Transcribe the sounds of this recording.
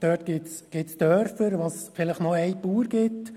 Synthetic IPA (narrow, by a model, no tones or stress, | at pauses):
d̪̥œːtɡ̥ɪtsɡ̥ɪtsd̥̪œɾfəɾʋosfɪləχnɔɛjpuːɾɡ̥ɪt